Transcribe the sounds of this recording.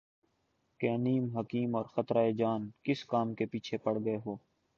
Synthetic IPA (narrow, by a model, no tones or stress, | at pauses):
keɐniːmɦɐkiːmɔːɾxɐt̪ɾaːed͡ʒaːnkɪskaːmkepiːt͡ʃʰepɐɽɡɐeɦoː